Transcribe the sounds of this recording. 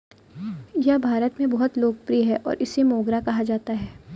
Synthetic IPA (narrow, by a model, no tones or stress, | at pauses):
jɐɦbʱaːɾət̪mẽbɔɦʊt̪loːk̚pɾiɦɛʔɔ̰ːɾʔɪsemoːɡɾakɐɦad͡ʒaːt̪aɦɛː